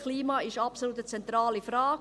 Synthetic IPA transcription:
kʰliːmɑːɪʃɑpsoluːt̪ət͡sɛnt̪ɾɑːlifɾɑːɡ

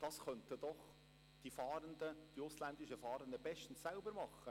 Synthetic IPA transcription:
d̥ɑsχœntəd̥̪ɔχ | d̥ifɑːɾənd̪əd̥iʊslænd̪ɪʃəfɑːɾəndəbɛʃtn̩sːælbəɾmɑχːə

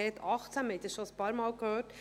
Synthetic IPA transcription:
ɛtʰɑχt͡sænmɛtəsʃoəspɑːɾmɑːlkhøːɾt

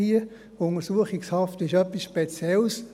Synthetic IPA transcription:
iə | ʊŋəɾsuəχɪkshɑftɪʃœpːisʃpet͡sjɛls

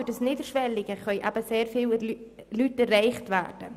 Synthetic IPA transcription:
ydəsniːdəɾʃʋɛlɪɡ̥əχœʏʔa̰ːb̥əseːɾfiːl | lytɛrːaɪχtʋæ̰ːd̥ə

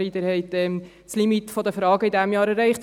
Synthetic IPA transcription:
idɛɾhɛɪtɛm | slimitfɔd̪əfɾɑːɡəɪdæmjɑːɾɛɾɛɪχt

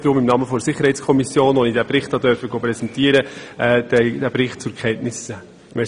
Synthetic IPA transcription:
d̥ɾʊmimnɑːməfɔdsɪχːəɾhɛɪtt͡skʰɔmisjoːnʋɔnidæpɾɪχthɑd̪œɾfəɡopɾɛsɛntiəɾəɛːd̪̥ɛd̥æbɾɪχt̚t͡sʊɾkʰχɛntnɪsə | mɛ

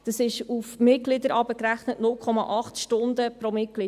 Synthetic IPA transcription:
d̥ɑsɪʃufmɪt̚ɡlɪdəɾʔɑbəkɾæχnətnʊlkʰχɔmɑʔɑχtʃtʊndəpɾomɪt̚klɪ

